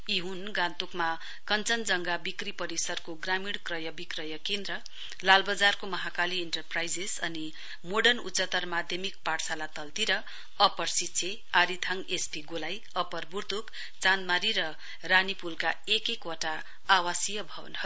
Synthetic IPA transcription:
iɦunɡãnt̪ukma | kʌnt͡sʌnd͡zʌŋɡabikripʌɾisʌrkoɡramiɽkrʌjʌbikrʌjʌkend̪ɾʌ | lalbʌd͡zarkomʌɦakalieɳʈʌrprajd͡zesʌni | moɖʌnṵt͡sʌt̪ʌrmad̪ʱjʌmik̚paɽsalat̪ʌlt̪iɾʌ | ʌpʌrsit͡sʰe | aɾit̪ʰaŋɡesʈiɡolaj | ʌpʌrburd̪ʱuk | t͡sand̪maɾiɾʌ | ranipulkaekekwoʈaː | wasijʌbʱʌbʌ̰nɦʌ

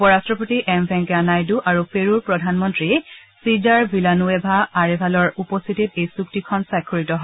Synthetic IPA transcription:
upɔɹastɹɔpotiʔɛmbʱɛŋkɛanajduʔaɹupeɹuɹpɹɔdʱanmɔntɹiɛsizaɹbʱilanuebʱaːɹɛbʱalɔɹupɔst̪ʰitit̚ejsuk̚tikʰɔnsakʰːoɹitɔɦɔ

